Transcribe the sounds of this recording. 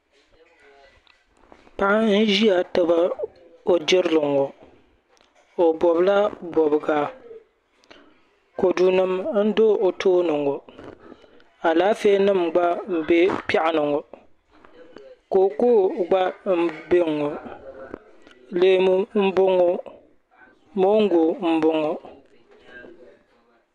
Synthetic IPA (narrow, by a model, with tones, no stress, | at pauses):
pa˦ʔn̩˦ʒi˦a˨tɨ˦ba˦ | o˨d͡ʒɪ˦ɾɨ˦lɨ˨ŋo˨ | o˨bɔ˨bla˦bɔ˨bɨ˨ɡa˨˦ | ko˨du˨nɨ˦mn̩˦do˦o˨tʰoː˦nɨ˨ŋo˨ | a˨la˦fe˦nɨ˦˨mɡ͡ba˦m̩˨be˦pa˦ʔɪ˨nɨ˨ŋo˨ | ko˨ku˦ɡ͡ba˦m̩˦be˦˨ŋo˨ | leː˨mu˦m̩˦bʊ˦ŋo˦ | mo˦ŋ˦ɡu˨m̩˦bʊ˦ŋo˦